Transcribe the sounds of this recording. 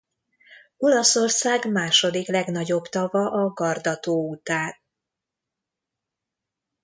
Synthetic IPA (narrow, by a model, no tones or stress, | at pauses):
o̞lɒso̞rsaːɡmaːʃo̞d̪iklɛɡnɒɟo̞bt̪ɒvɒʔɒɡɒrd̪ɒt̪oːut̪aːn